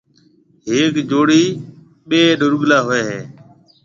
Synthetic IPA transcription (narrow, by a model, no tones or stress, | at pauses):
ɦeːkd͡ʒoːɽiː | ɓeːɖʊɾʊɠlaːɦʊeːɦeː